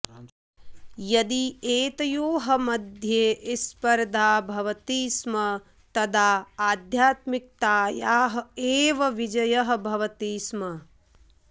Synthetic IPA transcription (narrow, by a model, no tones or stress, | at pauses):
jɐd̪ieːt̪ɐjoːɦɐmɐd̪ʱjeːʔispɐɾd̪ʱaːbʱɐʋɐt̪iːsmɐ | t̪ɐd̪ʱaːaːd̪ʱjaːt̪mik̚t̪aːjaːɦɐeːʋɐʋid͡ʒɐjɐɦɐ̆bʱɐʋɐt̪iːsmɐ